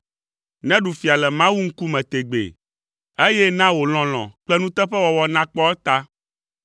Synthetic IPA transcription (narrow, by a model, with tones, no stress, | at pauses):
nɛ̃˦ɖu˨fi˨a˨lɛ˨mã˦wu˦ŋ̩˦ku˦mɛ̃˨t̪e˨ɡ͡bḛ˨ | e˦jɛ˦nã˦wo˨l̃ɔ̃˨l̃ɔ̰̃˨k͡plɛ˦nũ˦t̪ɛ˦ɸɛ˦wɔ˨wɔ˦nã˦k͡pɔ˦ɛ˦t̪a˦